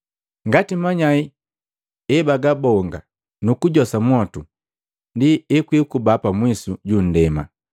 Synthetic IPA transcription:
ŋɡatimaɲai | ɛbaɡabɔŋɡa | nukuɟɔsamwɔtu | ndiɛkwikubapamwisuɟun̩dɛma̰

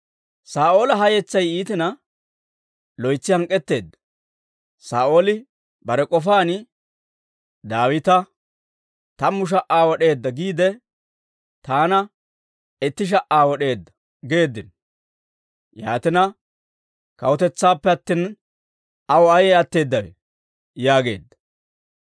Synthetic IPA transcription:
saːʔo̞ːlɐɦɐjɛt͡sːɐjiːt̪ɪnɐ | lɔjt͡sːɪhɐŋkʼːɛt̪ːe̞ːd̪ːɐ̥ | saːʔo̞ːlɪ | bɐɾɛkʼɔfaːnɪ | d̪aːwɪt̪ɐ | t̪ɐmːʊʃ̬ɐʔaːwɔɗe̞ːd̪ːɐɡiːd̪ɛ | t̪aːnɐ | ɛt̪ːɪʃ̬ɐʔaːwɔɗe̞ːd̪ːɐ̥ | ɡe̞ːd̪ːɪn | ja̰ːt̪ɪnɐ | kɐwɔt̪ɛt͡sːaːpːɛɐt̪ːin | ɐwɔɐjɛɐt̪ːe̞ːd̪ːɐwɛ̰ | jaːɡe̞ːd̪ːɐ̥

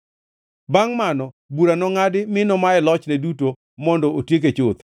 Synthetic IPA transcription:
baŋmanɔ | buɾanɔŋadɪmɪnɔmaɛlɔt͡ʃnɛduto | mɔndɔʔotjek̬et͡ʃʊt̪

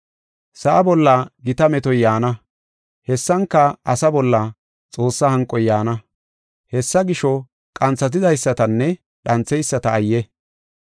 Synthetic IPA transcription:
sɐʔɐbɔlːɐɡɪt̪ɐmɛt̪ɔjjaːnɐ | hɛsːɐŋkːɐɐsɐbɔlːɐ | t͡sʼo̞ːsːɐhɐŋkʼːɔjːaːnɐ | hɛsːɐɡɪʃɔ | kʼɐnt͡sːɐt̪̬ɪd̪ɐjsːɐt̪ɐnːɛ | ɗɐnt͡sːɛjsːɐt̪ɐːjːɛ

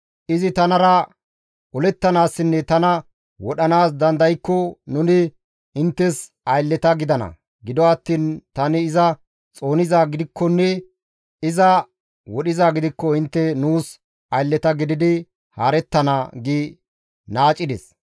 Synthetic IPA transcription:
ʔɪzɪt̪ɐnɐɾɐ | ʔɔlɛt̪ːɐnaːsːɪnːɛt̪ɐnɐ | wɔɗɐnaːs̬d̪ɐnd̪ɐjkːɔnʊnɪ | ɪnt̪ːɛs | ɐjlːɛt̪ɐɡɪd̪ɐnɐ̰ | ɡɪd̪ɔɐt̪ːiːnt̪ɐnɪːzɐ | t͡sʼo̞ːnɪzaːɡɪd̪ɪkʰːɔnːɛ | ɪzɐ | wɔɗɪzaːɡɪd̪ɪkːɔɪnt̪ːɛnuːs | ɐjlːɛt̪ɐɡɪd̪ɪd̪ɪ | haːɾɛt̪ːɐnaɡɪ | naːt͡ʃʼːɪd̪ɛ̰s

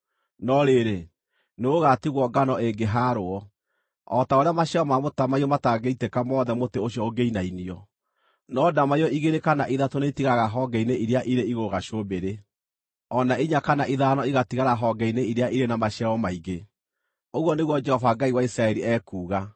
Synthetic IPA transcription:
nɔɾeɾe | neoɣatiɣwɔɡanɔeŋɡeɦaɾoɔ | ɔtaoɾeamaɕɛɔmamotamaiɔmataɡeitekamɔːðɛmoteoɕiɔoɡeinainiɔ | nɔdamajɔiɣeɾekanaʔiðatoneitiɣaɣaɦɔɡɛineʔiɾeaʔiɾeiɣoɣaʃobeɾe | ɔnaiɲakanaʔiðanɔiɣatiɣaɾaɦɔɡɛineiɾeaʔiɾenamaʃɛɔmaiɣe | oɣwɔneɣwɔd͡ʒɛhɔvaɡaiwaisɾaɛɾiɛkuːɣa

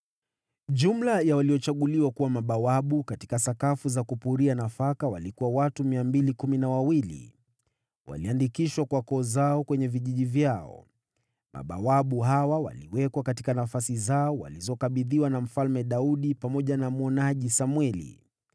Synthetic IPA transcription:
ʄum̩lajawaliɔt͡ʃaɠuliwakuwamaɓawaɓukati̥kasakafuzakupuɾianafakawalikuwawatumiambilikuminawawilḭ | wa̰liandikiʃwakwakɔːzaɔkwɛɲɛviʄiʄivjaɔ̰ | mʔa̰ɓa̰waɓuɦawawa̰liwɛkwakatikanafasizaɔwa̰lizɔkaɓiðiwanam̩falmɛɗauɗipamɔʄanamuɔnaʄisamwɛlḭ

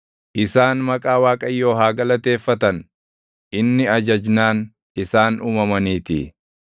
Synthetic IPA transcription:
ʔɪsaːnmɐkʼaːwaːkʼɐjːo̞ːɦaːɡɐlɐt̪e̞ːfːɐt̪ɐn | ʔɪnːɪɐd͡ʒɐd͡ʒnaːn | ɪsaːnʔuːmɐmɐniːt̪ɪ̰

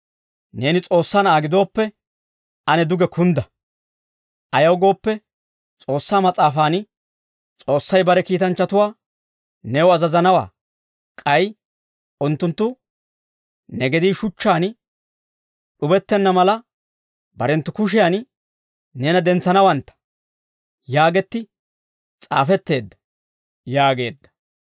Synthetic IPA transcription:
ne̞ːnɪt͡sʼo̞ːsːaːnaːɡɪd̪o̞ːpːɛ | ʔɐnɛd̪ʊɡɛkʰʊnd̪ɐ | ʔɐjɐwɡo̞ːpːɛ | t͡sʼo̞ːsːaːmɐt͡sʼaːfaːn | t͡sʼo̞ːsːɐjbɐɾɛkiːt̪ɐnt͡ʃːɐt̪ʊwaː | nɛʊɐzɐzɐnɐwa̰ː | kʼɐj | ʊnt̪ːʊnt̪ːʊ | nɛɡɛd̪iːʃʊt͡ʃːaːn | ɗʊbɛt̪ːɛnːɐmɐlɐ | bɐɾɛnt̪ːʊkʊʃ̬ɪjan | neːnɐd̪ɛnt͡sːɐnɐwɐnt̪ːɐ̥ | jaːɡɛt̪ːɪ | t͡sʼa̰ːfɛt̪ːe̞ːd̪ːɐ̥ | jaːɡe̞̰ːd̪ːɐ̥

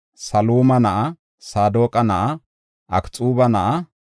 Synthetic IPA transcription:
sɐluːmɐnɐʔɐ | saːd̪oːkʼɐnɐʔɐ | ʔɐkt͡sʼuːbɐnɐʔɐ

